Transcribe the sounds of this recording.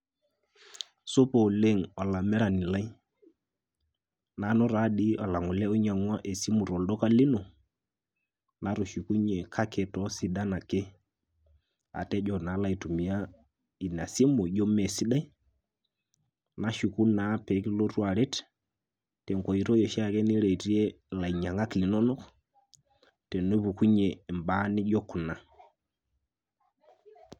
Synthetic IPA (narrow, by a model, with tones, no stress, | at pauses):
so˦pɔ˨le˦˨ŋa˨la˨mɛ˦ɾa˨nɪ˨la˦i˦ | na˨˦nɔ˦ɾa˦ɗi˦a˨la˨ŋʊ˨lɛ˦o˦ɲa˨ŋwa˦ʔe˨si˦mʊ˨ɾɔ˨lɗɔ˦ka˦lɪ˦no˨ | na˨˦ɾo˨ʃu˨ku˦ɲɛ˨kʰa˦kɛ˨tɔ˦si˦ɗa˦na˨ke˦ | a̰˨tɛ˦d͡ʒɔ˨na˨˦la˦i˨tu˨mi˨a˦ | i˨na˨si˦mu˨ʄɔ˦mɛ˨si˦ɗa˦i˦ | na˦ʃu˨ku˦na˨˦pɛ˨˦ki˦lo˦ɾu˦a˨ɾɛ˦t | tɛ˨ŋkɔ˨i˨ɾɔ˦jɛ˨ʃa˦˨kɛ˦ni˦ɾɛ˨ɾi˦ɛ˦ | la˨i˨ɲa˨ŋa˦kli˨nɔ˦nɔ˦k | tɛ˨no˦βu˨ku˦ɲɛ˨mba˨˦ni˦ʄɔ˦ku˨na˨